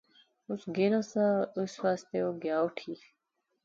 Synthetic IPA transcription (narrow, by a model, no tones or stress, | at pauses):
usɡenosauswaːst̪eoɡjaːwʈʰi